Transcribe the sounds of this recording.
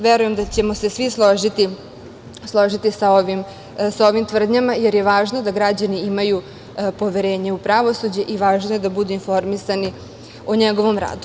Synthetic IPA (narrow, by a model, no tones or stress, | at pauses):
ʋeɾuje̞md̪at͡ɕe̞mo̞se̞sʋislˠoʒit̪i | slˠo̞ʒit̪isaoʋim | sao̞ʋimt̪ʋr̩d̪ɲamajeɾjeʋaːʒno̞d̪aɡɾad͡ʑaniimaju | po̞ʋeɾe̞ːɲeupɾaʋo̞sud͡ʑeʔiʋaːʒnoje̞d̪abud̪uinfo̞ɾmisani | oɲeɡo̞ʋo̞mɾa̰ːd̪u